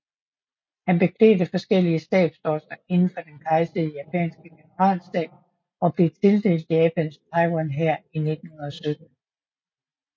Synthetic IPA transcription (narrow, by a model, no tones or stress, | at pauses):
hænb̥e̝kʰlɛ̰ːdəfɒ̽sɡ̥el̰iəsd̥ɛ̰ːd̥sd̥ɒsɐe̝nn̩fɒ̽d̥enkʰɑ̈ɪsəðˠəjæpʰɛ̰ːnsɡ̥əɡ̥enəʁɑ̰̈ːlsd̥ɛ̰ːb̥̚ | ɒ̽b̥le̝t͡sʰe̝ld̥e̝̰ːld̥ˠjɛːpʰænst͡sʰɑɪɡɒnɦæɐ̰ine̝d̥n̩hunɐðˠɒsød̥̚n̩